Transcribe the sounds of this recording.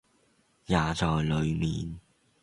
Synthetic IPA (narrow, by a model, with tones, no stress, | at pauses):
jaː˨˥t͡sɔː˨˩jlɵ˨˧ɥmḭː˨˩n